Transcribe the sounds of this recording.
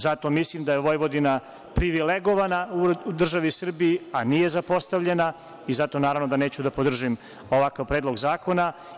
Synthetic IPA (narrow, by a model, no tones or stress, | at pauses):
zat̪o̞mislˠimd̪ajeʋo̞jʋod̪ina | pɾiʋileɡo̞ʋanauud̪r̩ʒaʋisr̩bijianije̞zapo̞st̪aʋʎena | izat̪o̞naːɾaʋnod̪aneːt͡ɕud̪apo̞d̪r̩ʒim | o̞ʋakaʋpɾed̪lˠo̞ɡzaːko̞na